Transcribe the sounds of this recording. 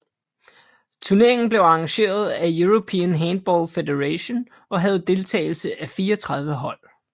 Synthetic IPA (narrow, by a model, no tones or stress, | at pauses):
t͡sʰuɐne̝ɐe̝ŋn̩b̥le̝ʊɑ̈ŋɕe̝̰ːɐð̞ˠæjuʁopʰḭːnɦæn̚b̥ɒːlfed̥eʁæɕon | ɒ̽ɦæð̞̩ˠd̥e̝lt͡sʰɛ̰ːɪl̩səʔæfiːɐɒt͡sʰʁɑ̈ð̞ˠʋəɦɒ̽l̰